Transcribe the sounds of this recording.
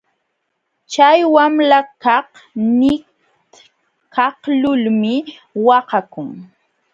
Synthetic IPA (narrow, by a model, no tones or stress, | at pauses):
t͡ʃajwamɾakɑhnɪ | kɑhlʊlmɪ | wɑqakʊŋ